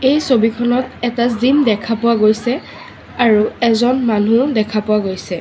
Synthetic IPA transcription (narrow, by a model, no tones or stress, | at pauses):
ejsobikʰɔnɔtɛtazindɛkʰapʊwaɡojsɛ | aɹuɛzɔnmanudɛkʰapʊwaɡojsɛ